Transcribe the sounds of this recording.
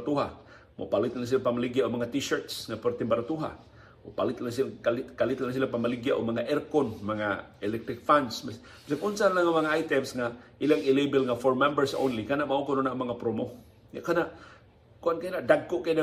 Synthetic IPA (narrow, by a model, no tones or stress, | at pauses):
t̪uɦa̰ | mo̰palit̪laŋs̬ilapamaliɡiaʔumaŋat̪iʃərt̪sŋapərt̪ɛmbaɾat̪uɦa̰ | mo̰palit̪laŋs̬ikalikalit̪laŋs̬ilapamaliɡiaʔumaŋaʔɛrkɔnmaŋa̰ɛlɛk̚t̪ɾɪk̚fansma | bisakunsanlaŋamaŋaajt̪ɛmsŋaʔilaŋilebɛlŋafɔrmɛmbərso̰nlikanaʔmaukɔnonaʔmaŋapɾomo | ŋa̰ʔkanaʔ | kuʔankainaʔdaɡoʔkaina